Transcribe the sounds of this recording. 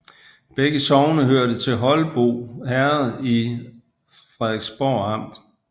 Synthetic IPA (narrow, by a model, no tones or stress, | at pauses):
b̥eɡ̥əsɒʊnəɦøɐ̰ɾ̥ət͡sʰe̝ɦɒ̽lb̥o̝̰ːhæɐð̩ˠi | fʁɛðˠeɡ̥sb̥ɒ̰ːɑ̈m̰d̥